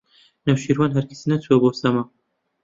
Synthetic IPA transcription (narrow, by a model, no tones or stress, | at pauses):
nɐwʃiɾwanɦɐɾkʰɨ̥sinɐt͡sʰuɐbosɐma